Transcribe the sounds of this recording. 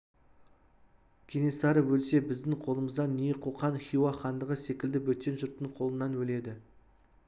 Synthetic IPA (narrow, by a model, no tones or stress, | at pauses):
kʲʰe̞ne̞sɑɾəwɵlse̞bɪzd̪ɪŋqʰo̞lˠəməzd̪ɑnːijeqʰoqɑnχʲijwɑχɑnd̪əʁəse̞kʲɪld̪ɪwɵt̪ːe̞nʒʊɾt̪ːəɴqʰo̞lˠənːɑnwɵle̞d̪ɪ